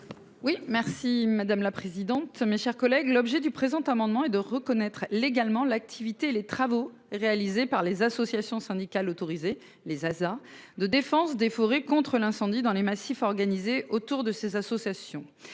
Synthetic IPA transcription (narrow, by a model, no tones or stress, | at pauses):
wimɛʁsimad̪amlapχezid̪ɑ̃t̪meʃɛʁkɔlɛɡlɔbʒɛd̪ypχezɑ̃t̪amɑ̃d̪mɑ̃ɛd̪əʁəkɔnɛt̪χleɡalmɑ̃lak̚t̪ʰivit̪eelet̪χavo | ʁealizepaʁlezasɔsjasjɔ̃sɛ̃d̪ikalot̪ɔʁize | lezazaʁd̪əd̪efɑ̃sd̪efɔʁekɔ̃t̪χəlɛ̃sɑ̃d̪id̪ɑ̃lemasifɔʁɡanizeʔot̪uʁd̪əsezasɔsjasjɔ̃